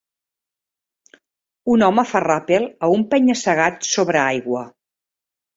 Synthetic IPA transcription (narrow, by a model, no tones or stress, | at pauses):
unɔməfarapilˠəumpɛɲəsəɣat̪soβɾəajɣwə